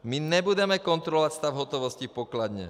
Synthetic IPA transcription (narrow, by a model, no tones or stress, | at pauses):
miɲɛbudɛmɛkɔnt̪ɾɔlʋacst̪avɦɔt̪ɔʋɔscipɔklad̪ɲɛ̰